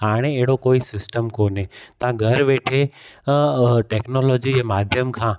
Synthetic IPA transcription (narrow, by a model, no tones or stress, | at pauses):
ɦaːɽ̃eeɦɪɽokoːisɪsʈəmkoːnɦet̪ãɡʱɐɾʋeːʈʰe | ʈeːknoːlɔːd͡ʑid͡ʑeːmaːd̪ʱjəmkʰãː